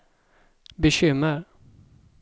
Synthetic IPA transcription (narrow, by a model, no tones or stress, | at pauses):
bɛɕʏmːəɾ